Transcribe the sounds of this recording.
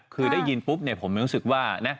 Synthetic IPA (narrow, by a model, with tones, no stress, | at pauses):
kʰɯː˧daː˥˩jːi˧npu˦˥p̚na˧˩pʰo˩˦mːa˥˩ɾu˦˥sɯ˨˩k̚waː˥˩na˦˥